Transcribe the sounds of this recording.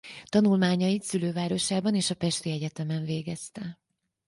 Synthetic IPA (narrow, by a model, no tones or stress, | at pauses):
t̪ɒnulmaːɲɒjit̪syløːvaːɾo̞ʃaːbɒneːʃɒpɛʃt̪iɛɟɛt̪ɛmɛɱveːɡɛst̪ɛ